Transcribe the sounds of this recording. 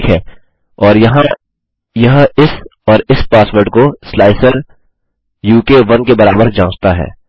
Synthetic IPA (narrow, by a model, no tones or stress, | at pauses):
kɦɛː | ɔːɾjɐɦã | jɐɦɪsɔːɾɪspaːsʋəɾɖkoslaːɪsəɾ | juːkeʋɐnkebɐɾaːbəɾd͡ʒãːt͡ʃt̪aɦɛ̰ː